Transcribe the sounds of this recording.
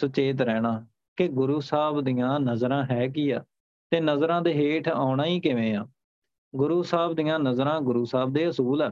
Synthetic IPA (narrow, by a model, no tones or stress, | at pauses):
sət͡ʃeːt̪̬ɾɛːɽ̃aː | kɪɡʊɾuːsaːbd̪ijãːnəzɾãːɦɛːk̬iːaː | t̪eːnəzɾãːd̪eːɦeːʈʰaːʊɽãːiːkɪʋẽːãː | ɡʊɾuːsaːbd̪ijãːnəzɾãːɡʊɾuːsaːb̚d̪eːəsuːlɛː